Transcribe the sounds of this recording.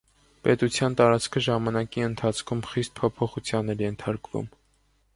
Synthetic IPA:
pɛt̪ut͡sʰjɑnt̪ɑɾɑt͡skʰəʒɑmɑnɑkiənt̪ʰɑt͡sʰkʰumχist̪̚pʰɔpʰɔχut͡sʰjɑnɛɾjɛnt̪ʰɑɾkvṵm

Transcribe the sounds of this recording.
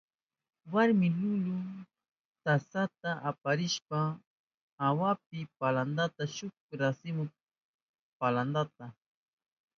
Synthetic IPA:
waɾmɪlʊʎʊ | t̪asat̪aʔapaɾɪʃpaː | wap̚ɪpaland̪at̪aʃʊk̚ɾasɪmʊk̚ | paland̪at̪a

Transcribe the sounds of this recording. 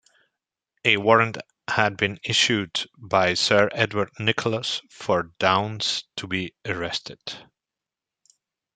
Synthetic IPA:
ɨwɔɹə̃nt | hɨd̚bɨ̃nɪʃʉdbaɪsɜ˞ʔɛdwə˞dⁿnɪkʰl̩ˠəsfə˞dãʊ̃nstʰəbiəɹɛstʰɨd̥

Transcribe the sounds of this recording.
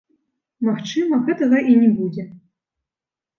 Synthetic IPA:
maxt͡ʂɨmɐɣɛt̪ɐɣɐʔinʲɛbud͡zʲɛ

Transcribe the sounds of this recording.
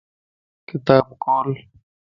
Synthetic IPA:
kɪt̪aːbkɔːl

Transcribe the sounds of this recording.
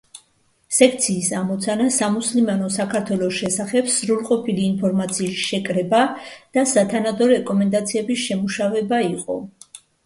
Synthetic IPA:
sɛkʰt̪sʰiːsamɔt̪sʰanasamuslimanɔsakʰaɾt̪ʰwɛlˠɔʃɛsaχɛbz̥ɾulˠqʼɔpʰiliːnpʰɔɾmat̪sʰiːsʃɛkʼɾɛbad̪̥asat̪ʰanad̪ɔɾɛkʼɔmɛnd̪at̪sʰiɛbisʃɛmuʃavɛbaiqʼɔ̰

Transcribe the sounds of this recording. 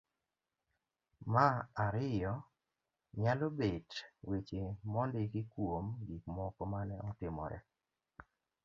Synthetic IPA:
maaɾɪjɔ | ɲalobedwit͡ʃɪmɔndɪkɪkwomɡikmɔkɔmanɛʔɔtɪmɔ̰ɾɛ̰

